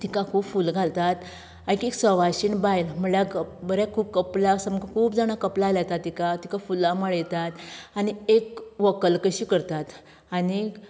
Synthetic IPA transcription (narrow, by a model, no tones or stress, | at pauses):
t̪ikakʰuːbfulɡʱalt̪at̪ | aikeksəʋaɕiːnbajlməɭjakbəɾjakʰuːb̚kəplasəməkkʰuːpd͡zaɽ̃akəplalat̪at̪ːikat̪ikafulaməɭjɛt̪at̪añiekʋəkəlkəɕiːkəɾt̪at̪ | ani